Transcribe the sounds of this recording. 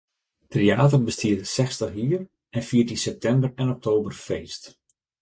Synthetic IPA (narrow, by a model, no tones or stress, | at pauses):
treaːt̬ərbəstiətsɛxstəχɦiːər | ɛnfiərtinsɛp̚tʰɛmbərɛnɔk̚tʰoːbərfeːst